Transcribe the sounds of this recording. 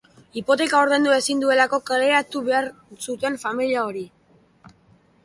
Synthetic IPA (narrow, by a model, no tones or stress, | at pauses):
ipo̞t̪e̞kaoɾð̞e̞nd̪uesind̪ue̞lako̞kale̞ɾat̪uβe̞aɾsut̪e̞ɱfamiliao̞ɾi